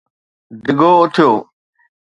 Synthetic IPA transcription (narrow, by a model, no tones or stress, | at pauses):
d̪ɪɡoːʊt̪ʰɪjoː